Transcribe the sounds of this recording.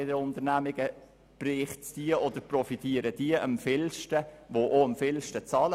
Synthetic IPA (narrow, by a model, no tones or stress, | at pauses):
ɪdəʊnt̪əɾnæmɪɡ̥ə | b̥rɪχtsd̥iəʔɔd̥̪əɾprɔfit̪iəɾəd̥iəʔəmfɪlʃtəvoʔoəmfɪlʃtət͡sɑːlə